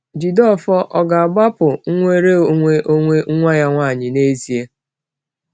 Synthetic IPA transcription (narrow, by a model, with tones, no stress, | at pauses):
d͡ʒi˨dɔ˦˨fɔ˦ʔɔ˨ɡa˨a˨ɡ͡ba˦pʊ˨ŋ̩˦ŋʷe˦ɾe˦o˨ŋʷe˦ʔo˦ŋʷe˦ŋ̩˦ŋʷa˦ja˦ŋʷaː˦˨ɲɪ˨ne˦zi˨e˦